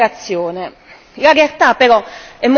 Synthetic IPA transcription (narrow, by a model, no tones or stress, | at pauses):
at̪sːjoːne | ɣaɾealt̪apːɛːkɔɛmː